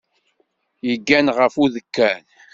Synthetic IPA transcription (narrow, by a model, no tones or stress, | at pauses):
jəɡːænʁəfuðəkːæn